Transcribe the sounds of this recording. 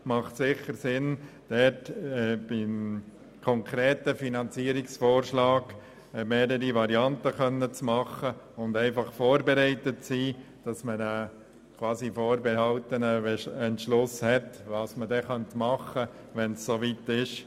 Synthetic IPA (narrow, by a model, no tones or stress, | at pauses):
mɑχtsɪχəɾsɪn | d̥ɛtːb̥ɪm | kʰɔŋkʰɾeːtəfinɑnt͡siːəɾɪksfoːɾʃlɑːɡ̥ | meːɾəɾiʋɑɾiɑntəkœnːət͡smɑχəʊndɛɪfɑχfoːɾbɛɾɛɪtətsiː | d̥ɑsməɾə | kʰvɑːsifoːɾbɛhɑltənəɛɛntʃlʊshɛtʋɑːsmədɛχœntmɑχə | ʋɛnsːoʋiːtɪʃ